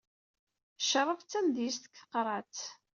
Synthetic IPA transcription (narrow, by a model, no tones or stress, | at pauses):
ʃəɾˤːəft͡sːæmd̪jist̪ə̥kθə̥qɾˤɑt͡s